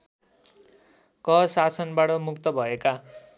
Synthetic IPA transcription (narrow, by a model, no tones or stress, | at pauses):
kʌsasʌnbaʈʌmukt̪ʌbʱʌeka